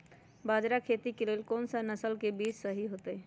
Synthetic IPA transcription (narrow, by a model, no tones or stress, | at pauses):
bad͡ʒɾakʰet̪ikelelkonsənəsəlkebid͡ʒsəɦiɦot̪əɪ